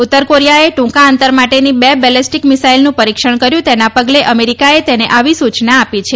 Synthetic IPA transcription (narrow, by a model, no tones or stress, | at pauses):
ut̪ːəɾkoɾijaeʈũŋkaənt̪əɾmaʈenibebɛlesʈikmisailnũpəɾikʃəɳ̃kəɾjũt̪enapəɡleʔəmeɾikaet̪eneʔaʋisut͡ʃnaːpit͡ʃʰe